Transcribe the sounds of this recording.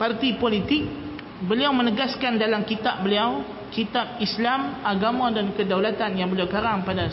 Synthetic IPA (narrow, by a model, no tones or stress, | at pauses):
part̪ipolit̪ɪk̚ | bəliawmə̃nəɡaskandalamkit̪ap̚bəliaw | kit̪ap̚islamaɡamãdankədawlat̪anjaŋbəliawkaɾaŋpada